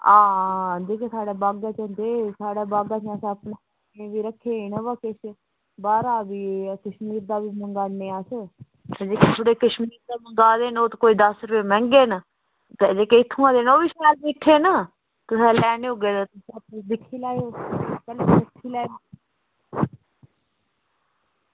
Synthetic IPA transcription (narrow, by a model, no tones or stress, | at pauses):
ãːd͡ʒeːkeːsaːɽaːbaːɡaːt͡ʃə̃nd̪eːsaːɽaːbaːɡaːt͡ʃːsəpnaː | ẽːʋiːɾəkʰːeːnəʋaːkes | baːɾaːbiːkəʃmiːɾd̪aːʋiːməŋɡaːneːaːsə | d͡ʒeːkeːt̪ʰʊɽeːkəʃmiːɾd̪aːməŋɡaːd̪eːnoːt̪ːkoːiːd̪əsɾəpeːmɛ̃ːŋɡeːn | t̪ːd͡ʒeːkeːɪt̪ʰːũːãːd̪eːnoːʋiːsɛːlbiʈʰːeːnaː | t̪ʊsɛ̃ːlɛːneːɦoːɡeːd̪aːt̪ʊsp̚sd̪ɪkʰːiːlaːjoːkəleːət̪ʰːiːlɛːnː